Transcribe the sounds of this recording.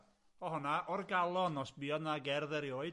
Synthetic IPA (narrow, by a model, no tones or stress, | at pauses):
ɔhɔnaʔɔrɡalˠɔnɔsbiɔdnaɡɛrðɛɾjoːɨd